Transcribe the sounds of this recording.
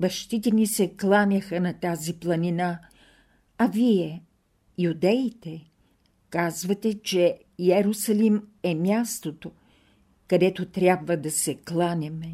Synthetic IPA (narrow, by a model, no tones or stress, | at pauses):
bɐʃt̪it̪ɛnisɛklˠanʲɐxənɐt̪aziplˠɐnina | ɐviɛ | jud̪ɛit̪ɛ | kazvɐt̪ɛt͡ʃɛ | jɛɾʊsɐlimɛmʲjast̪ot̪o | kɐd̪ɛt̪ot̪ɾʲjabvəd̪ɐsɛklˠanʲɛmɛ